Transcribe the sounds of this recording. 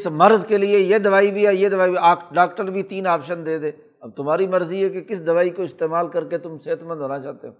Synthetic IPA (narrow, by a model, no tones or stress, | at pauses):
smɐɾzkeliejed̪ɐʋaːibʱiɛjed̪ɐʋaːibiaːɖaːkʈəɾbʱit̪iːnaːpʃənd̪eːd̪eː | ɐb̚t̪ʊmaːɾimɐɾziɛkekɪsd̪ɐʋaːikoɪst̪eːmaːlkɐɾket̪ʊmseːɦət̪mə̃nd̪ɦoːnat͡ʃaːt̪eɦoː